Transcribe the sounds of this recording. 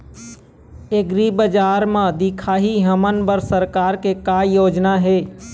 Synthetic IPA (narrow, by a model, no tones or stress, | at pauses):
eɡɾibəd͡ʒaɾmãd̪ikʰaɦiɦəmənbəɾsəɾkaːɾkekajoːd͡ʒnaɦe